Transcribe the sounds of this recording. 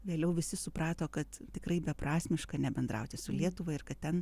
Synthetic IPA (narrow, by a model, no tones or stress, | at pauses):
ʋʲeːlʲɛʊʋʲɪsʲɪsʊpɾɑːt̪oːkɐt̪tʲɪkrɐɪbʲɛprɑːsʲmʲɪʃkɐnʲɛbʲɛnd̪ɾɐ̰ʊt̪ʲɪsʊlʲiɛt̪ʊʋɐɪrkɐt̪ʲtʲɛn